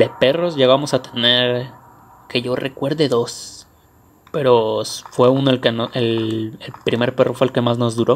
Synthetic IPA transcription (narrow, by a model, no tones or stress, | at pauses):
d̪e̞pe̞ro̞zʝeɣamo̞sat̪e̞ne̞ɾ | ke̞ʝo̞re̞kwe̞ɾðeðo̞s | pe̞ɾo̞sfwe̞unoelkenoelelpɾime̞ɾpe̞rʔo̞fweːlke̞mazno̞zðuɾo̞